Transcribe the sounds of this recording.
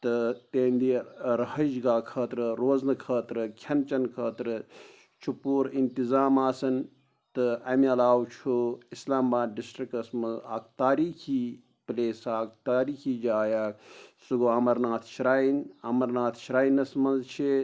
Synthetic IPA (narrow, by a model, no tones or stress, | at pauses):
t̪ɨt̪eːnd̪iɾɐhɐd͡ʒɡaːkʰɐːt̪ɾɨɾoːznɨkʰəːt̪ɾɨkʰɐnt͡ʃɐnkʰəːt̪ɾɨ | t͡ʃʰupuːɾint̪izaːmaːsɐn | t̪ɨɐmiɐlaːwt͡ʃʰuislaːmbaːd̪ɖisʈɾikɐsmɐnzaːkt̪aːɾiːkʰiː | pleːsaːkt̪aːɾiːkʰiːd͡ʒaːjaːksuɡoːɐmɐɾnaːt̪ʰʃiɾaːinɐmɐɾnaːt̪ʰʃiɾaːinɐsmɐnzt͡ʃʰi